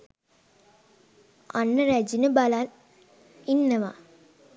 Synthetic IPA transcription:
anːəɾæd͡ʒinəbalan | inːəʋa

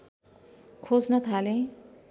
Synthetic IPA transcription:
kʰod͡znʌt̪ʰalẽ

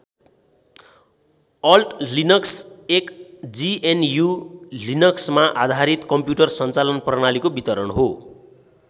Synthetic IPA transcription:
ʌlʈlinʌksekd͡zienjulinʌksmaʔad̪ʱaɾit̪kʌmpjuʈʌrsʌnt͡salʌnprnalikobit̪ʌɾʌnɦo

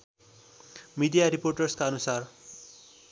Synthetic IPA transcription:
mid̪ijaɾiporʈʌrskaʌnusar

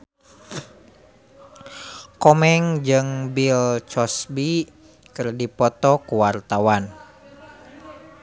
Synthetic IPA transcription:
kɔmɛŋd͡ʒɨŋbilt͡ʃɔsbi | kɨrdipɔt̪ɔkuwart̪awan

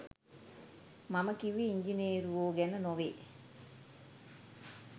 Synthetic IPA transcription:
maməkiʋiːɲd͡ʒineːɾuʋoːɡɛnənoʋeː

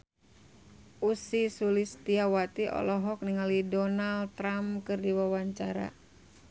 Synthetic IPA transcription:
ʔusisulist̪iawat̪iʔɔ̰lɔɦɔk̚niŋalidɔnalt̪ɾamkɨrdiwawaɲt͡ʃaɾa̰

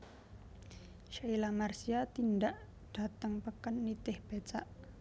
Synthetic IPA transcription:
ʃailamarsiat̪indaʔ | d̥at̪əŋpəkanːit̪ɪhb̥et͡ʃaʔ

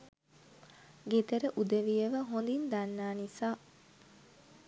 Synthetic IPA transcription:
ɡet̪əɾəʔud̪eʋijəʋəɦond̪ind̪anːaːnisaː

